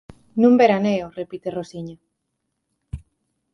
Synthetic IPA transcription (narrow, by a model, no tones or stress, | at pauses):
nũmbeɾaneorepit̪erosiɲa